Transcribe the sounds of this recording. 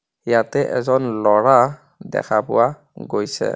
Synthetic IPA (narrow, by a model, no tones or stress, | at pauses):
jatɛʔɛzɔnlɔɹa | dɛ̰kʰapʊwa | ɡojsɛ̰